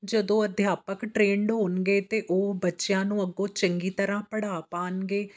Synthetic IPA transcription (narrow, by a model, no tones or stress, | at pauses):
d͡ʒəd̪õːəd̪ʱjaːpəkʈɾeːɳɖɦoːnɡeːt̪eːʔoːbətːʃejãːnũːəɡõːt͡ʃəŋɡiːt̪əɾãːpəɽaːpaːnɡeː